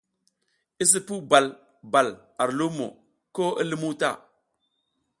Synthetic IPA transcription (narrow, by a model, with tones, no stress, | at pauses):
i˦s̬i˦pu˦ba˨l | ba˨l | a˨ɾlu˦mo̰˨ | ko˦ə˦li˦mu˦ta̰˦˨